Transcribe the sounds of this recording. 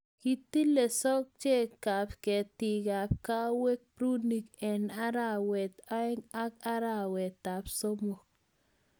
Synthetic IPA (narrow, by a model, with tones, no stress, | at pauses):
ki˨t̪i˦le˨sɔ˦k̚t͡ʃe˦ka˨pke˨t̪i˨ka˨p̚ka˦we˦k̚pɾu˦ni˨kɛ˨na˦ɾa˦˨wɛ˨t̪a˦ŋa˦ka˦ɾa˦˨wɛ˨t̪a˨pso˦mo˨k̚